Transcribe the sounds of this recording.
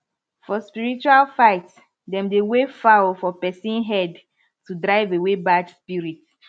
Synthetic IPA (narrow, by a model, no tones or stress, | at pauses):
fɔspiɹit͡ʃualfaɪt | dɛ̃mdewefawfɔpɛsĩnɦɛd | tudɹaɪvewebadspiɹit